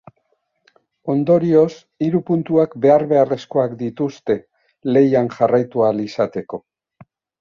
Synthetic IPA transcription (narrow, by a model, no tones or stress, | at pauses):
o̞nd̪o̞ɾio̞s | iɾupunt̪uakbe̞aɾβe̞are̞sko̞akd̪it̪ust̪e̞ | le̞janʝarajt̪ualisat̪e̞ko̞